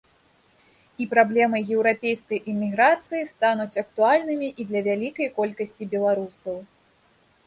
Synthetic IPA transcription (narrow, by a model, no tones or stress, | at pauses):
ipɾablʲɛmɐjjɛwɾapʲejskɐjʔimʲːiɣɾat̪sɨjist̪anut͡sʲɐk̚t̪ualʲnɨmʲiʔid̪lʲɐvʲalʲikɐjkɔlʲkɐsʲt͡sʲibʲɛlˠaɾusɐw